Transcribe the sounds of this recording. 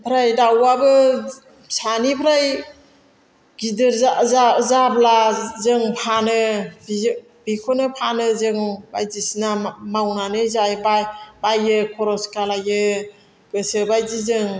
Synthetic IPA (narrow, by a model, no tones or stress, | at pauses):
pʰɾajdawabɯ | sanipʰɾaj | ɡidɯɾaazablazɯŋpʰanɯ | bikʰɔnɯpʰanɯzɯŋbajzisinamawnanɯzajbajbajɯkʰɔɾɔskalajɯ | ɡ̥ɯsɯbajzizɯŋ